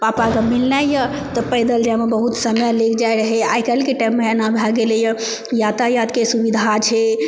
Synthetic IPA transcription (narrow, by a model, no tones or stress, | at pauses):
papaɡəmilnajjə | t̪ɔpəjd̪əld͡ʒamebəɦut̪səmjlekʰd͡ʒajɾəɦɛajkəlkeʈajmːeənãbʱaɡelejə | jat̪ajad̪kesubid̪ʱat͡ʃʰɛ